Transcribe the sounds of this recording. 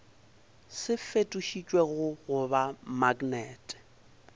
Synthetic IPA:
sɪfetʼuʃit͡ʃʼweɣʊɣʊbamaɡnɛːtʼɛ̥

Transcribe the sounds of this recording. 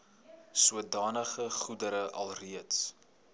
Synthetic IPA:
suədɑːnəχəχudəɾəʔɐ̰lˠriəts

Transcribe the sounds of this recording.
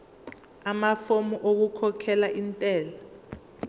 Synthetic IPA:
amafomɔʔok̬ukʰɔkʰɛlaʔintʼɛːla

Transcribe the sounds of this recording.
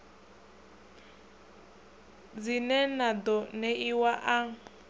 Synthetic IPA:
d͡zinɛnad̪ɔnɛiwaʔaŋ

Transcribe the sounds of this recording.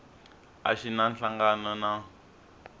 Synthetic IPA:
a̰ʃinanɬaŋɡanɔna

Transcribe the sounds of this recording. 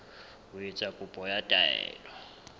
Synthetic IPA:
uit͡sʼakʼupʼɔjatʼaɛ̰ːlɔ

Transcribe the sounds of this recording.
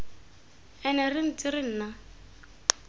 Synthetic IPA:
ɛnɛrɪn̩t͡sʼɪɾɪn̩ːna

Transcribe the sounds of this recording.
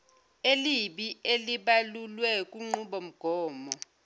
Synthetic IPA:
eliɓieliɓalulwɛk̬ʼuŋ͡ǃuɓom̩ɡ̥ʱɔːmɔ

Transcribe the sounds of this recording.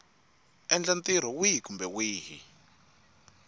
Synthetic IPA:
ɛnd͡ɮant̪iɾ̤ɔwiɦikumbɛwiːɦḭ

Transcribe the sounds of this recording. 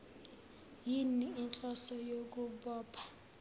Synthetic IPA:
jiniːnt͡ɬʼɔsɔjok̬ʼuɓɔːpʰḁ

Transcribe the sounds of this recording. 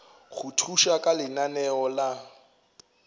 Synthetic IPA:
ɣutʰuʃakʼalɪnanɛɔla

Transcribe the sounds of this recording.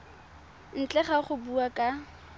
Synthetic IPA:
n̩t͡ɬʼɛχaχʊbuakʼa

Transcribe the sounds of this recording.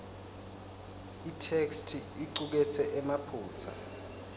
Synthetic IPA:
itʰekstʰiiǃuk̬ɛt͡sʰɛʔɛmapʰuːt͡sʰa̰

